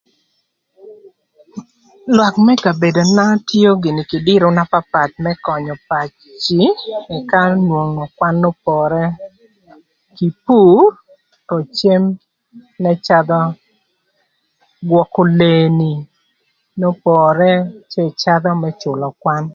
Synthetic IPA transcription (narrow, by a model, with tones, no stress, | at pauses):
lwa˨kmɛ˦ka˨be˨do˨na˦tjo˦ɡɪ˨ni˨ki˨dɪ˦ɾo˦na˦pa˦pa˨t̪̚mɛ˦kɔ˨ɲɔ˨pa˨t͡ʃ | t͡ʃɪ˨ɛ˨ka˦nwo˨ŋo˨kwa˦nːo˦pɔ˨ɾɛ˦ | ki˨pu˦r | tɔ˨t͡ʃe˦m | nɛ˦t͡ʃa˦d̪ɔ˦ | ɡwɔ˨ko˨le˨ni˨ | no˦pɔ˨ɾɛ˦t͡ʃe˦t͡ʃa˦d̪ɔ˦mɛ˦t͡ʃʊ˨lɔ˨kwa˦n